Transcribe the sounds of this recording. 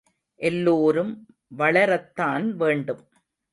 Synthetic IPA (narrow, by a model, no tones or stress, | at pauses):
ʔɛlːoːɾɯm | ʋɐɭɐɾɐt̪ːaːnʋeːɳɖɯm